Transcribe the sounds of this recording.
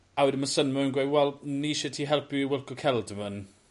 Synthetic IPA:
awɪdəmasənmɔənɡwewɛlˠniʃɛtʰiːɦɛlˠpʰʊiwɪlˠkɔkʰɛlˠdəvən

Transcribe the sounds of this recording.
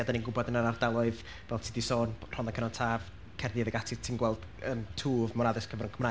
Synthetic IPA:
adaninɡʊbɔdənaɾardalˠɔɨð | vɛlˠtʰidisoːnr̥ɔnakʰənɔntʰaːv | kʰɛrðiðəɡatʰɪ̥tʰinɡwɛlˠd̥ | əntʰuːvmɔɾaðɪskʰəvɛɾənkʰəmra

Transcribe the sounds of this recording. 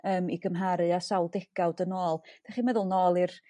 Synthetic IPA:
əːmiɡəmɦaɾɨasawlˠdɛɡ̥awdənoːlˠd̥aχimɛðʊlˠnoːlˠir

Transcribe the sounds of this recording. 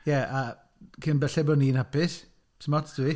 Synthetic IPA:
jɛʔa | kʰɪnbɛɬɛbɔniːnhapɪs | səmɔtd̥ui

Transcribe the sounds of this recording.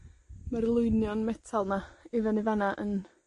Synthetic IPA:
maɾlˠʊɨnjɔnmɛtʰalˠnaivɛnɪvanaʔən

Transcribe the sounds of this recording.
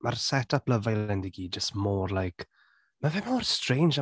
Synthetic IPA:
marsɛtʰapləvajlɛndiɡiːd͡ʒəstmɔːrlˠajk | mavɛmɔːrstr̥ẽjnd͡ʒa

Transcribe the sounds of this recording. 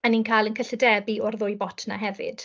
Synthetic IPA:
aniːnkʰaːjlˠənkʰəɬədɛbiɔrðʊːjbɔtʰna̰ɦɛvɨ̰d̥

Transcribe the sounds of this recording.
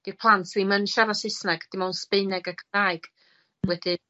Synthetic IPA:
ɡ̥id̥̚pʰlˠantʰslimənɬavasɪsnaɡd̥ɪmawnspɪɨnɛɡakʰəraːɨɡ̥ | wɛd̥ɪ

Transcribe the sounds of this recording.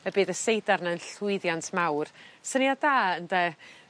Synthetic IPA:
əbeːðəsejdarnaənɬʊɨðjantʰmawrsənjadaːəndɛ

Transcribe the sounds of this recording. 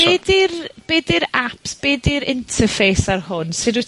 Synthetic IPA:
edɪrb̥edɪɾapsb̥eːdɪɾɪntʰəfejsarhʊnsɪdu

